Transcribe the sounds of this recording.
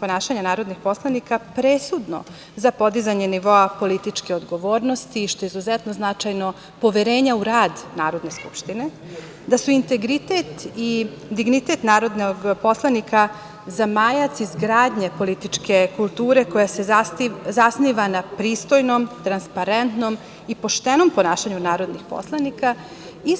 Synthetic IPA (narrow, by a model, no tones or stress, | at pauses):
po̞naːʃaɲanaːɾo̞d̪nixpo̞slanikapɾesud̪no̰ | zapo̞d̪izaɲe̞niʋo̞apo̞lit̪it͡ʂkeod̪ɡo̞ʋo̞ːɾnost̪iʃt̪o̞jeizuzɛt̪noznat͡ʃajno̞ | po̞ʋeɾe̞ːɲauɾaːd̪naːɾo̞d̪ne̞skṵpʃt̪ine̞ | d̪asuint̪e̞ɡɾit̪et̪i | d̪iɡnit̪e̞t̪naːɾo̞d̪noɡpo̞slˠanika | zamajat̪sizɡɾaːd̪ɲepo̞lit̪it͡ʂke̞kulˠt̪uːɾe̞ko̞jasezasniʋanapɾiːst̪o̞jnomt̪ɾanspaɾent̪nom | ipo̞ʃt̪eno̞mpo̞naːʃaɲunaːɾo̞d̪nixpo̰slˠanika | i